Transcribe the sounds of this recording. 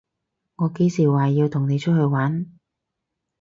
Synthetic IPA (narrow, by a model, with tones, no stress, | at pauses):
ŋɔː˨˧ke˨˥jsiː˨˩waː˨ji˧wt̪ʰʊ˨˩ŋne˨˧jt͡ʃʰɵ˥t̚hɵ˧ɥwaː˨˥n